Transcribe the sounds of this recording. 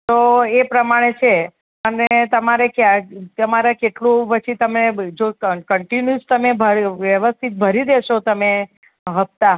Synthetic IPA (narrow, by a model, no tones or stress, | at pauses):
t̪oepɾəmaɽ̃et͡ʃʰe | ənet̪əmaɾekaəmaɾakeʈlũpət͡ʃʰit̪əmed͡ʒokəɳʈinjust̪əmebʱəɾʋjəʋəst̪ʰit̪̚bʱəɾid̪eʃot̪əme | ɦəp̚t̪a